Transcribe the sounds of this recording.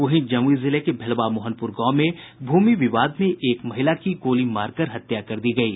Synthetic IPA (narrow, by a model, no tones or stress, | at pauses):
ʊɦĩd͡ʒɐmizɪlekebʱɛlʋamʊːɦənpʊɾɡɔ̃ːmẽ | bʱuːmiʋɪʋaːd̪mẽʔeːkmɐɦɪlakikoːlimaːɾkɐɾɦɐt̪jakɐɾd̪iɡɐiː